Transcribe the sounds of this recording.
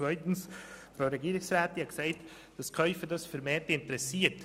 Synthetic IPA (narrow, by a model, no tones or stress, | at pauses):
vœʏtn̩sfɾaʊɾɛɡiːɾɪsɾaːt̪ɪnhɑɡsaɪt | d̥ɑskʰœʏfədɑsfɛɾmeːɾtɪntəɾɛsiːət